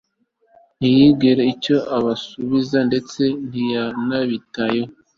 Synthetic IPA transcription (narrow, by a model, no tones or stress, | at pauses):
nijibɡeɾeico̞ʔaβasuβizande̞t͡se̞n̥ijanaβitajo